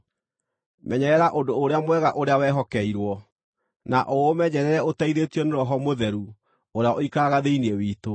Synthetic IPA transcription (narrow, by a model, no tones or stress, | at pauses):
mɛɲɛɛɾaʔodoːɾeamwɛɣaʔoɾeawɛɦɔkɛiɾwɔ | naʔomɛɲɛɾɛɾɛotaiɾetiɔneɾɔɦɔmoðɛɾu | oɾeaʔoikaɣaðeiniewiːto